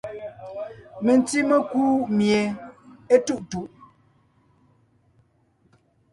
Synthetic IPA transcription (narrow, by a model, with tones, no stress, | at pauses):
me˨n˦ti˦mə˦kuː˦mje˨e˦tu˦˨ʔtu˨ʔ